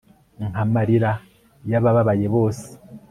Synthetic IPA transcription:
ŋhamaɾiɾa | jaβaβaβaje̞βo̞ːse̥

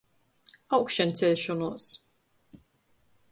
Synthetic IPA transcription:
awkʃɛnt̪sʲɛlʲʃɔnuɔs

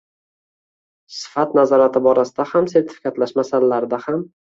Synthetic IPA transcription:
sɪ̥fat̪nazɒɾat̪ʰɪbɒɾasɪd̪ahamse̞ɾt̪ʰɪfɪ̥kʰʲat̪laʃmasalalaɾɪd̪aham

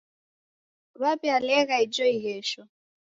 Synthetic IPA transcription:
βapialɛɣaid͡ʒɔiɦɛʃɔ

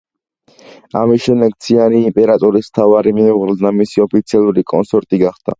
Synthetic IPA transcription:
amisʃɛmd̪ɛk̚t̪sʰianiːmpʼɛɾat̪ʼɔɾismt̪ʰavaɾimiuʁɾld̪amisiɔpʰit̪sʰialˠuɾikʼɔnsɔɾt̪ʼiɡaχd̪̥a̰

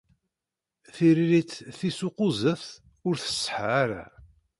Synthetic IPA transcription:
θiɾiɾit͡sθisuqʊzəfθ | ʊɾθə̥sˤːħʕaɾa̰

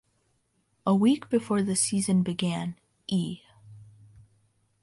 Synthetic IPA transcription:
ʔəwikb̥ɨfɔɹðɨsizɨ̃nbɨɡæ̃n | ʔi

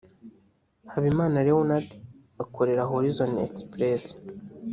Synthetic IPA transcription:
haβimaːnaɾewonat | akʰoɾe̞ɾaɦoɾizonḛkspɾes

